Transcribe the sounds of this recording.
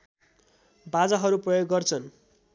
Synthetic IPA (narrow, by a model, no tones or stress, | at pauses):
bad͡zaɦʌɾuprʌjoɡːʌrt͡sʰʌn